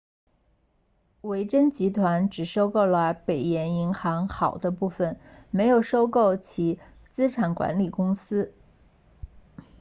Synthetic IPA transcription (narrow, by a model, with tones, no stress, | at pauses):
we˧˥ɪʈ͡ʂə˥nt͡ɕi˧˥t̪ʰwa˧˥nʈ͡ʂɻ̩˨˩ʂo˥ʊko˥˩ʊlə˧pe˨˩ɪjɛ˧˥ni˧˥ŋxɑ˧˥ŋxɑ˨˩ʊd̪ə˦pu˥˩fə˨˩nme˧˥ɪjo˨˩ʊʂo˥ʊko˥˩ʊt͡ɕʰi˧˥ | t͡sɹ̩˥ʈ͡ʂʰa˨˩nkwa̰˧˥nli˨˩kʊ˥ŋsɹ̩˥